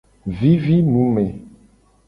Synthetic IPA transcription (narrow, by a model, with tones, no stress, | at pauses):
vi˦vi˦mũ˨˦mɛ̃˨